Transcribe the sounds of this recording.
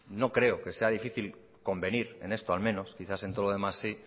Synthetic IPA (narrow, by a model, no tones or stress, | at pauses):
no̞kɾe̞oke̞se̞aðifiθil | ko̞mbe̞niɾe̞̰ne̞st̪oalmẽ̞no̞skiθase̞nt̪oðoðe̞masːi